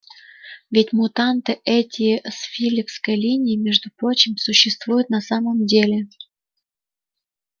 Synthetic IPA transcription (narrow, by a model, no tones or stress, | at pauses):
vʲɪtʲmʊt̪ant̪ɨʔɛtʲɪsfʲilʲɪkskəjlʲinʲɪːmʲeʐd̪ʊpɾo̞t͡ɕɪmsʊɕːɪst̪vujʊt̪̚nɐsaməmdʲelʲɪ